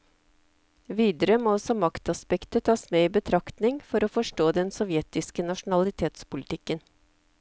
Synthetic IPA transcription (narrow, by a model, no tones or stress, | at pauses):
ʋiːd̪əɾəmɔːɔsɔmɑkt̪ɑspɛkt̪ət̪ʰɑːsmeːiːbət̪ʰɾɑkt̪nɪŋfɔɾoːfɔʂʈoːd̪ɛnsɔʋjɛːt̪ɪskənɑʂnɑlɪt̪ʰeːt̪spʊlɪt̪ʰɪkːən